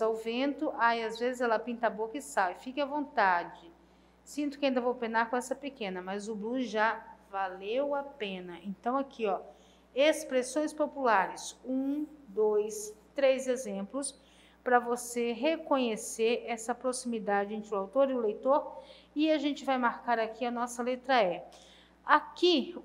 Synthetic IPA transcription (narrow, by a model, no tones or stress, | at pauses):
zawvẽnt̪ʊʔajazvezɪzɛlɐpĩnt̪abokɐɪsawɪfikɪɐvõnt̪ad͡ʒɪ | sĩnt̪ʊkɪaĩd̪ɐvowpẽnaɾkõɛsɐpekẽnɐmɐzʊbluzʒavalewapẽnɐʔẽnt̪ɐ̃w̃akʰiɔ | espɾesõj̃spopulaɾɪsũd̪ojst̪ɾezezẽmplʊs | pɾɐvoseɦekõɲeseɾɛsɐpɾosimid̪ad͡ʒɪẽnt̪ɾɪʊawt̪oɾiʊlejt̪oɾɪaʒẽnt͡ʃɪvajmaɾkaɾakʰiɐnɔsɐlet̪ɾɐɛ | aki